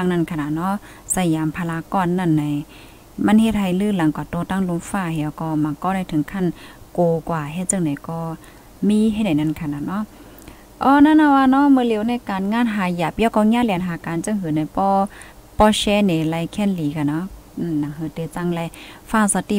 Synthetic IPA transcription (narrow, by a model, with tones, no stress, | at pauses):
a˧˨ŋna˧˥˨nkʰa˧˨na˨˧˨nɔ˧˥˨ | sa˧˩jjaː˨˦mpʰaː˧laː˧kɔː˧˨nːa˧˩˨nːa˧˦j | ma˧˥˨nhe˧t̪̚ha˧˨˩jlɯː˧˩˨la˨˦ŋkwaː˨˩t̪oː˧˦t̪a˧˨ŋlu˧˦mfaː˧˩˨hɛː˧˨wkɔː˧˩ma˨˧˦ŋkɔː˧˨na˧˩jt̪ʰɯ˨˦ŋkʰa˧˥˨n | koː˨˧kwaː˧˩ɦɛ˧˦t͡ɕɯ˧˨ŋda˨˦jkɔː˧˩ | miː˧˨ɦ̚da˨jna˧˥˨nkʰa˧˩na˧˨nɔ˧˥˨ | ʔɔː˧˦na˧˥˨na˧˩waː˧˨nɔ˧˥˨mɯː˧˨li˨˦wna˧˨jkaː˨nŋaː˧˥˨nɦaː˨˩ja˧˩p̚jaː˧wkɔː˧˩ŋaː˧˥˨lɛː˧˦˨nɦaː˨˧˦kaː˨nt͡ɕɯ˧˨ŋɦɯː˨˦na˧˦jpɔː˧˦ | pɔː˧˩ɕɛː˧˥nɛ˨˦la˧jkʰɛː˧˥˨nliː˨˦kʰa˧˩nɔ˧˨ | na˧˨nna˨ŋhɯː˧t̪ɯ˧˦t͡ɕa˧˥˨ŋlɛ˧˦faː˧˩˨sa˧t̪i˧˩